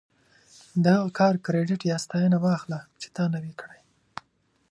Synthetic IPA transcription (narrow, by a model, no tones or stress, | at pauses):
d̪əhaɣakʰɑɾkɾeɖɪʈjɑst̪ɑjənawɑxlat͡ʃe̥t̪ɑnawikɽaj